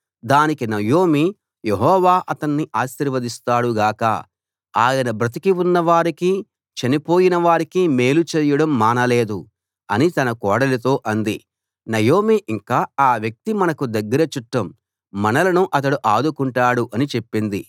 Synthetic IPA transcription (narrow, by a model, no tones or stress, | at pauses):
d̪aːnikinɐjoːmi | je̞ɦɔːʋaːʔɐt̪ɐnːiʔaːʃiɾʋɐd̪ist̪aːɽuɡaːkɐ̰ | aːjɐnɐbɾɐt̪̬ikiunːɐʋaːɾiki | t͡ʃɐnipo̞ːjinɐʋaːɾikime̞ːlut͡ʃeːjɐɽɐmːaːnɐle̞ːd̪u | ɐnit̪ɐnɐkɔːɽɐlɐt̪o̞ːʔɐnd̪i | nɐjo̞ːmiʔiŋkaːaːʋjɐk̚t̪imɐnɐkud̪ɐɡːɐɾɐt͡ʃuʈːɐmː | ɐnɐlɐnuʔɐt̪̬ɐɽuʔaːd̪ukuɳʈaːɽuʔɐnit͡ʃe̞pːind̪i